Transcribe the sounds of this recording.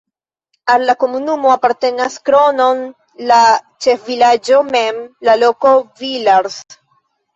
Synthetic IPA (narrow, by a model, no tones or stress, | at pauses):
alːako̞munumo̞apaɾte̞naskɾo̞no̞n | lat͡ʃe̞fvilad͡ʒo̞me̞mlalo̞ko̞vilaɾs